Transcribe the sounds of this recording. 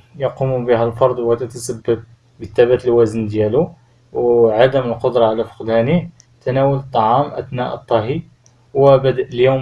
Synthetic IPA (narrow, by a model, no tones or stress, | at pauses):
jɑqumubihælfɑɾˤd̪ˤwæt̪ət̪əsæbːəb̚ | bit̪ːæbæt̪əlwæzənd̪jælu | wʕad̪əməlqod̪ɾˤɑʕalæfə̥qd̪ænih | t̪ænæwələt̪ˤːɑʕɑmʔæ̰d̪næʔə̰t̪ˤːɑɦi | wəbəd̪əʔəljum